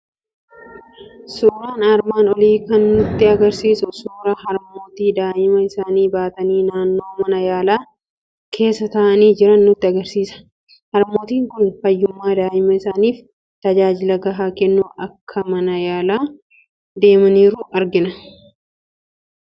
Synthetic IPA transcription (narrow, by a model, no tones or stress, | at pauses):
suːɾaːnaːɾmaːnɔliːkɐnːʊt̪ːɪɐɡɐɾsiːsʊsuːɾɐhɐɾmo̞ːt̪iːd̪aːʔɪmɐɪsaːniːbaːt̪ɐniːnaːnːo̞ːmɐnɐjaːlaː | kʰe̞ːsːɐt̪ɐʔɐniːd͡ʒɪɾɐnːʊt̪ːɪɐɡɐɾsiːsɐ̥ | hɐɾmo̞ːt̪iːŋkʊnfɐjːʊmːaːd̪aːʔɪmɐɪsaːniːf | t̪ɐd͡ʒaːd͡ʒɪlɐɡɐɦaːkɛnːʊɐkʰːɐmɐnɐjaːlaː | d̪e̞ːmɐniːɾʊʔɐɾɡɪnɐ